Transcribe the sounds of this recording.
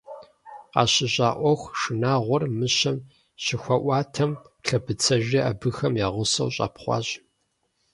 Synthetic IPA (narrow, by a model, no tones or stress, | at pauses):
qɑ̰ɕɪɕʼaːʔʷɔxʷʂɨnaːʁʷɔrmɨɕɐm | ɕɪxʷɐʔʷɑːtʰɐm | ɬʰɐbɨt͡sʰɐʒɐabɨxɐmjaːʁʷʊsɐ̰wɕʼɑ̰ːpχʷɑ̰ːʑ